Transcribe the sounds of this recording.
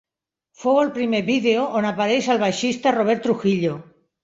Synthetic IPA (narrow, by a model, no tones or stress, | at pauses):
fowelpɾimeβiðeoʔonapaɾejsalβ̞ajʃist̪aroβ̞eɾt̪ɾuxiʎo